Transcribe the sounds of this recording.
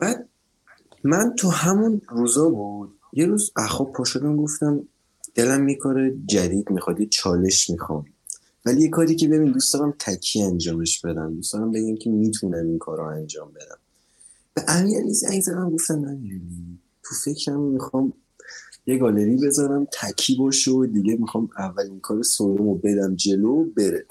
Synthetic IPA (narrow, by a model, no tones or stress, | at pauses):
b̥æd̪̥̚ | mænt̪ʰuhæmunruːzɒːbud̪̥̚ | jeɾuːzæxɒpʰɒːʃod̪æmɡo̞ft̪æm | d̪̥e̞læmːikʰoɾed͡ʒæd̪iːd̪mixɒd̪jet͡ʃʰɒːle̞ʃmixɒ̰m | vælijekʰɒːɾiːcʰe̞be̞bind̪uːsd̪ɒːɾæmt̪ʰæcʰːiːænd͡ʒɒːmeʃb̥e̞d̪æmd̪usd̪̥ɒːɾæmbe̞ɟæmcʰemit̪ʰunæminkʰɒːɾɔænd͡ʒɒːmbe̞d̪æ̰m | b̥eʔæmiælizæ̰jzæd̪æmɡo̞ft̪æmæmæni | t̪ʰufe̞cʰɾæmmixɒːm | jeɡɒːle̞ɾiːbe̞zɒːɾæmt̪ʰæcʰiːbɒːʃeod̪iɟemixɒːmævːæliŋkʰɒːɾesod̪omobe̞d̪æmd͡ʒe̞lobe̞ɾe